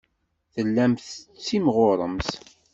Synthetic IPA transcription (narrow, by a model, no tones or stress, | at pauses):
θəlːæmθət͡sːimʁʊɾˤəms